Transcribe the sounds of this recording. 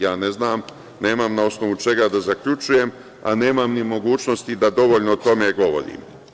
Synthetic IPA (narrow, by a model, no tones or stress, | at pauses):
jaːne̞znaːm | ne̞ːmamnao̞sno̞ʋut͡ʃe̞ɡad̪azakʎut͡ʃuje̞m | a̰ne̞ːmamnimo̞ɡuːt͡ʃno̞st̪id̪ad̪o̞ʋo̞ʎnot̪o̞me̞ɡo̞ʋo̞̰ɾḭːm